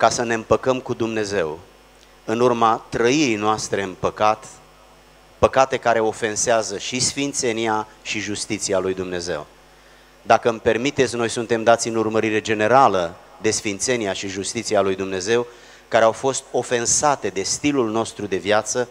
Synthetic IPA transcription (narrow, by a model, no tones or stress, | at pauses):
kasəne̞ɨmpəkəmkud̪umne̞ze̞w | ɨnurmat̪ɾəiɾijnoast̪ɾe̞ɨnpəkat̪ | pəkat̪e̞kaɾe̞o̞fe̞nseazəʃisfint̪se̞niaʃiʒust̪it̪sialujd̪umne̞ze̞w | d̪akəmpe̞rmit̪e̞t̪sʲno̞jsunt̪e̞md̪at̪sʲɨnurməɾiɾe̞d͡ʒe̞ne̞ɾaləd̪e̞sfint̪se̞niaʃiʒust̪it̪sialujd̪umne̞ze̞w | kaɾeawfo̞st̪̚o̞fe̞nsat̪e̞d̪e̞st̪ilulno̞st̪ɾud̪e̞vjat̪sə